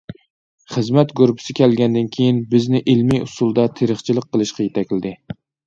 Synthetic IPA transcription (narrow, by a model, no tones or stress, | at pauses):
χɨzmɛt̪ɡoɾpʰɪ̥sɪkʲʰælɡʲɛnd̪ɪnkʲʰejinbɪznɪʔɪlmijʊsulˠd̪ɑt̪ʰeɾɨχt͡ʃʰilˠɨqːəlˠɨʃqɑjet̪ʰɛkʲlɪd̪ɪ